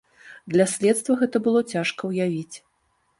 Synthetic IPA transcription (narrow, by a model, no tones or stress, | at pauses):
d̪lʲɐsʲlʲɛt̪st̪vɐɣɛt̪ɐbɨlˠɔt͡sʲaʂkɐwjavʲit͡sʲ